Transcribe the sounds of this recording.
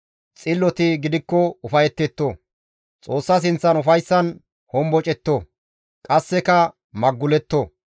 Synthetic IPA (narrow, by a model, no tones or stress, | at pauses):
t͡sʼɪlːɔt̪ɪɡɪd̪ɪkːɔʊfɐjɛt̪ːɛt̪ːo | t͡sʼoːsːɐs̬ɪnt͡sːɐnʊfɐjsːɐn | hɔmbɔt͡ʃʼɛt̪ːo | kʼɐsːɛkɐ | mɐɡːʊlɛt̪ːo